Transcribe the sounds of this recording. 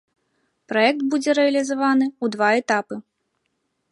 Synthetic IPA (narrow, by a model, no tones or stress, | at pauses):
pɾɔjɛk̚t̪bud͡zʲɛɾɛɐlʲizavanɨud̪vaɛt̪apɨ